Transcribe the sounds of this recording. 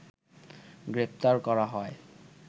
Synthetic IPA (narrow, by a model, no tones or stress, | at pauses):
ɡɹep̚t̪aɹkɔɹaɦɔj